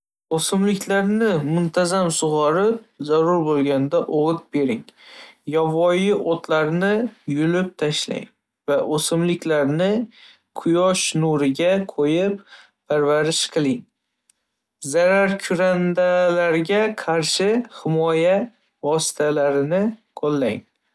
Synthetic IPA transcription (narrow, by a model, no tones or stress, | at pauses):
osɪmlɪkʲʰlaɾnɪmʊnt̪ʰazamsʊʁɒɾɪp̚zaɾʊɾbolˠɡʲand̪aʔoʁɨt̪̚be̞ɾɪŋjɒvɒjɪʔot̪ʰlaɾnɪjʊlɪp̚t̪ʰaʃla̰ŋ | vaʔosɪmlɪkʲlaɾnɪ | qʰʊjɒʃnuɾɪɡʲaqʰojɪp | pʰaɾvaɾɪʃqʰɨlˠɪŋ | zaɾaɾkʲʰʊɾand̪alaɾɡʲaqʰɑɾʃɪhɪmɒja | vɒsɪ̥t̪ʰalaɾɪnɪqʰɒlˠːaŋ